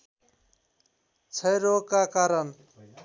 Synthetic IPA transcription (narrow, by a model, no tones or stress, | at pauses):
t͡sʰʌjɾokakaɾʌn